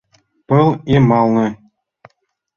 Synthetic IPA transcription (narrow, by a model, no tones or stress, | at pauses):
pɤ̆lˠemɑlˠnɤ̆